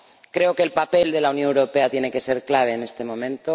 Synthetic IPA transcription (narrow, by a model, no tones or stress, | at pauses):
kɾe̞oke̞ːlpape̞ld̪e̞launjonewɾope̞at̪je̞ne̞ke̞se̞ɾklaβ̞e̞ːne̞st̪e̞mõ̞mẽ̞nt̪o